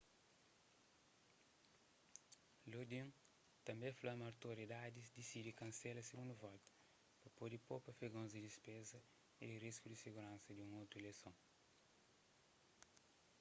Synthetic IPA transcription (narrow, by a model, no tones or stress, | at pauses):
lod̪ĩ | t̪ɐ̃mbẽflamawt̪oɾid̪ad̪izd̪isid̪ikɐ̃nsɛlɐseɡũnd̪uvɔt̪u̥ | pɐpod̪ipopɐfeɡõzdid̪ispezɐ | id̪iriskud̪isiɡuɾãnsɐd̪ũŋowt̪ɾuelesõŋ